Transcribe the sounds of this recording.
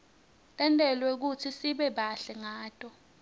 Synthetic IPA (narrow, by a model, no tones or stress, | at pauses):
tʼɛntʼɛlwɛk̬ut͡sʰisiɓɛɓaɬɛŋaːtʼɔ